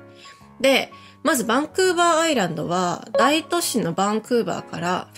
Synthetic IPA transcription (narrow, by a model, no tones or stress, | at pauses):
d̪e̞ | mazɨbãŋkɯ̟ːbaːiɾãnd̪o̞̰βad̪ait̪o̞ɕino̞bãŋkɯ̟ːba̰ːkaɾa̰